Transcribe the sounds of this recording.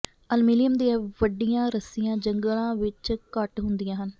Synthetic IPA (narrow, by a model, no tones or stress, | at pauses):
əlmɪlijəmd̪iãʋəɖijãːɾəsijãːd͡ʒəŋɡlãːʋɪt͡ʃkəʈɦʊnd̪ijãːɦən